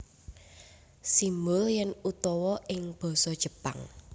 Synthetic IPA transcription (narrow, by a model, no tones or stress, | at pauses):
simʊljɛnut̪ɔwɔɪŋb̥ɔ̤sɔd̥ʒ̥ə̤pa̰ŋ